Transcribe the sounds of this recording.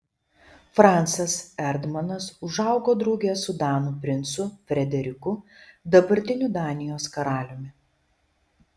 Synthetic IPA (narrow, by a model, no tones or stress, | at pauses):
fɾɑˑnt̪sɐsɛɾd̪mɐnɐsʊʒɐˑʊɡoːd̪ɾɐʊɡʲesʊd̪ɑːnuːpʲɾʲɪnt̪sʊfʲɾʲɛd̪ʲɛɾʲɪkʊd̪ɐbɐɾʲt̪ʲɪnʲud̪ɑːnʲɪjoːskɐɾɑːlʲʊmʲɪ